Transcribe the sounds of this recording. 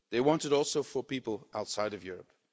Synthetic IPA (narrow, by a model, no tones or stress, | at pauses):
ðeɪwɑ̃ntɨɾɔlˠsoʊfə˞pipəlˠaʊtsaɪɾʌvjʊɹəp̚